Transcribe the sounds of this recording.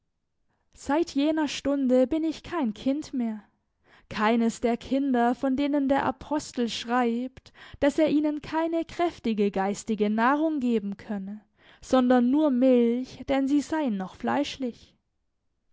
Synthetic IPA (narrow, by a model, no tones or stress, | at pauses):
z̥aɪtʰjeːnɐʃtʊndəbɪnɪçkʰaɪnkʰɪntmeːɐ | kʰaɪnəsd̥eːɐkʰɪndɐfɔndeːnəndeːɐʔa̰pʰɔstl̩ʃʁ̥aɪptd̥aseːɐʔiːnənkʰaɪnəkʁ̥ɛftɪɡəɡaɪstɪɡənaːʁʊŋɡeːbm̩kʰœnə | z̥ɔndɐnːuːɐmɪlçd̥ɛnziːzaɪənːɔχfla̰ɪʃlɪç